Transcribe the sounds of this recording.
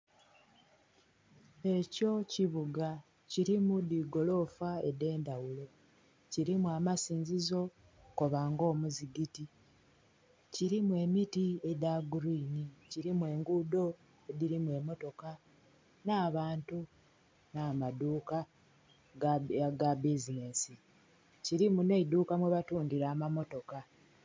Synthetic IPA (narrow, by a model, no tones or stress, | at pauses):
e̞co̞ciβuɡa | ciɾimudiɡo̞lo̞faede̞ːndawulo̞ | ciɾimuamasiːnzizo̞ | koβaːŋɡo̞ːmuziɡiti | ciɾimwe̞mitie̞daɡuɾiːniciɾimwe̞ːŋɡudo̞ | ediɾimuwe̞mo̞to̞ka | naːβaːntu | naːmaduːka | ɡabizine̞si | ciɾimune̞iduːkamweβatuːndiɾaːmamo̞to̞ka